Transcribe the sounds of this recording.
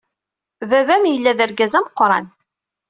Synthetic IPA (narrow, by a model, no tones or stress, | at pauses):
vævæmjəlːæðəɾɡæzæməqːɾˤɑ̰n